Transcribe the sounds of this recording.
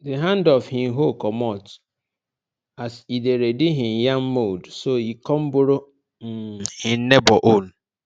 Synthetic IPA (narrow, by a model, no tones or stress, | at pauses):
deɦãndɔvhɪ̃m̩ɦokɔmɔt | asideɾedɪɦɪ̃mjam̩modsoikɔm̩bʊɾo | m̩hɪn̩nebɔʔon̩